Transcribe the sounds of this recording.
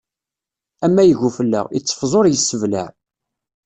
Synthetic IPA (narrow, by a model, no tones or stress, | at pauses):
æmːæjəʝufəlːæ̰ʁit͡sːə̥fzˤoɾˤjəsːəvlæ̰ʕ